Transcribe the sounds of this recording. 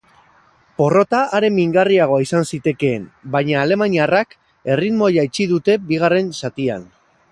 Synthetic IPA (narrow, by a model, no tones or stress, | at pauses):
po̞ro̞t̪aʔːɾe̞miŋɡariaɣ̞o̞aisansit̪e̞ke̞ːmbajɲaːle̞maɲiarak | e̞rit̪mojait͡ʃiðut̪e̞biɣ̞are̞nsat̪ia̰n